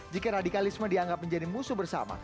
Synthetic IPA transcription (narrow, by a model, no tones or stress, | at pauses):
d͡ʒikaɾadikalismədiaŋɡap̚məɲd͡ʒadimusubərsa̰ma̰